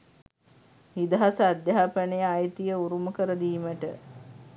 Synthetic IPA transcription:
hid̪əɦasəad̪jaɦapɐnejajt̪ijəuɾuməkəɾəd̪iːməʈə

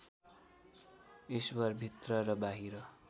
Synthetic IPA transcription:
iswʌrbʱit̪rʌrʌbaɦiɾʌ

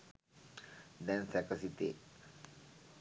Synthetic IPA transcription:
d̪ɛnsɛkəsit̪ḛ

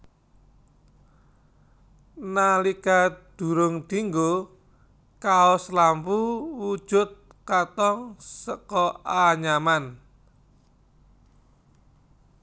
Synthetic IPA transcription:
nalikad̪̥ṳɾʊŋd̪̥iŋɡo | kaɔslampuwud̥ʒ̥ʊ̤t̪̚ | kat̪ɔŋsəkɔaɲaman

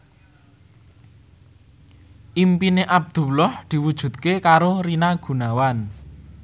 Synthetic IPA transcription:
ʔimpineʔab̚d̪̥ṳlɔhd̪̥i̤wud̥ʒ̥ṳt̪̚kekaɾoɾinaɡ̥ṳnawan

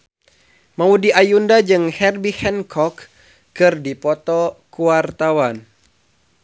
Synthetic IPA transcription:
maudiʔajundad͡ʒɨŋhɛrbihɛnkʰɔkː | ɨrdipɔt̪ɔkuart̪awan

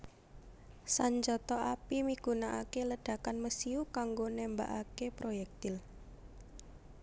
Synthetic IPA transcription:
saɲd͡ʒɔt̪ɔapimiɡ̥ṳnaʔa̰keləɖ̥a̤kanməsiukaŋɡonɛmba̰ʔakepɾojɛk̚t̪ɪl

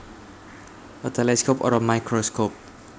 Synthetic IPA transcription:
ʔət̪ʰeleskʰopɔ̰ɾɔmajkʰɾoskʰop̚

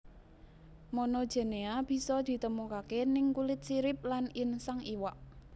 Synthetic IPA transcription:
mɔnɔd̥ʒ̥e̤neab̥i̤sɔd̪̥i̤t̪əmukakenɪŋkulɪt̪̚siɾɪp̚lanɪnsaŋiwaʔ

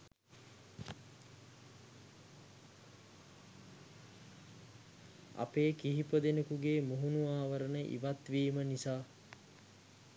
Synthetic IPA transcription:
a̰peːkiɦipəd̪enəkuɡeːmuɦunuaːʋəɾənəʔḭʋat̪ʋiːmənisaː

